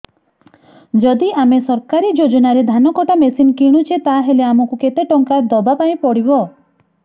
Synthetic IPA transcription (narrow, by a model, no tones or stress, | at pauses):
d͡ʒɔd̪iamesɔɾkaɾid͡ʒod͡ʒɔnaɾed̪ʱanɔkɔʈamesinkiɽ̃ut͡ʃʰet̪aɦeleamɔkuket̪eʈɔŋkaɾd̪ɔbapaĩpɔɽibɔ